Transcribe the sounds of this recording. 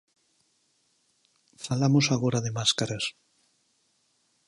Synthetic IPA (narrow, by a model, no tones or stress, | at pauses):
falamosaɣ̞oɾaðemaskaɾas